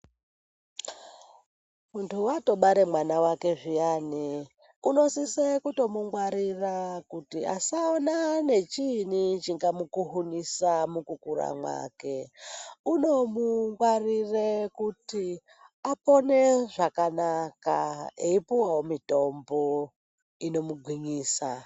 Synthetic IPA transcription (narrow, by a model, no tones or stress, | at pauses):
muntʰuwato̞ɓaɾemwanawake̞ʐijaːni | uno̞sisekuto̞muŋɡwaɾirakutia̰saonane̞t͡ʃinit͡ʃiŋɡamukuɦunisamukukuɾa̰mwa̰ːke̞ | uno̞muŋɡwarirekuti | apo̞ne̞ʐakanaka̰eipuwawomito̞mbo | ino̞muɡʱwiɲiːsa